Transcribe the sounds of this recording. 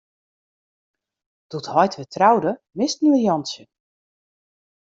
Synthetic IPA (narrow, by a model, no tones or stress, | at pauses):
d̥uthɔjtʋətrawdəmɪstnurjɔnsjə